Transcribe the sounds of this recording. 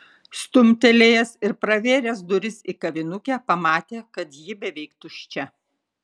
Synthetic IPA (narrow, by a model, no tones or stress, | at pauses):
st̪ʊmʲt̪ʲɛlʲeːjɛsɪɾpɾɐʋʲeːɾʲɛsd̪ʊɾʲɪsiːkɐʋʲɪnʊkʲæːpɐmɑːt̪ʲeːkɐt̪jɪbʲɛʋʲɛɪkt̪ʊʃʲt͡ʃʲɛ